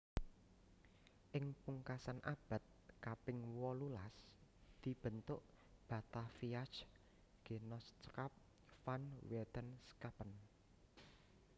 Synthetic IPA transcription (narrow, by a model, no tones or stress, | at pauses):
ʔɪŋpuŋkasanʔab̥a̤t̪̚kapɪŋwɔlulasd̪̥i̤b̥ə̤nt̪ʊʔ | b̥ä̤t̪afiat͡ʃ | ɡ̥e̤nɔst͡ʃəkap̚ | fanwɛt̪ənskapən